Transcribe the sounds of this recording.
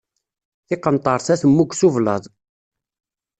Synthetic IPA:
θɪqːənt̪ˤəɾˤsæθəmːuɡʷsuvlə̰ðˤ

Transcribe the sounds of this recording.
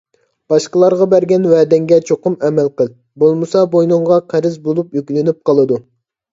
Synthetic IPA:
b̥ɑʃqəlˠɑɾʁɑbæɾɡʲɛnwɛːd̪ɛŋɡʲɛt͡ʃʰoqʊmɛmɛlqəlˠ | bolˠmɨsɑbojnʊɴʁɑqʰæɾɪzbolˠupjykʲlɪnyp̚qɑlˠɨd̪u

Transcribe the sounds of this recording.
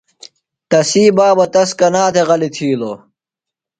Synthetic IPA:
t̪ɐsiːbaːbɐt̪ɐskɐnaːt̪ʰeɣɐlit̪ʰiːlo̰ː

